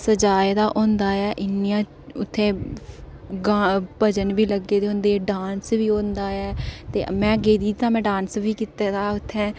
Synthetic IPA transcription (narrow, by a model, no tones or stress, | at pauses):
səd͡ʒaːed̪aːʔõːnd̪aːɛːʔɪnːijãː | ʊt̪ʰːẽː | ɡaːpəd͡ʒənʋiːləɡeːd̪eːõːnd̪eːɖaːnsʋiːõːnd̪aːɛːt̪eːmɛ̃ːɡeːd̪iːt̪ãːmɛ̃ːɖãːnsʋiːkiːt̪eːt̪aːʊt̪ʰːɛ̃ː